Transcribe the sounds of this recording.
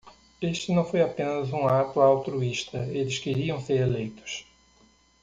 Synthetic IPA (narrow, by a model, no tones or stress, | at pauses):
eʃt̪ɪnɐ̃w̃fojapẽnɐzũat̪ʊawt̪ɾuiʃt̪ɐelɪskeɾiɐ̃w̃seɾelejt̪ʊ̥s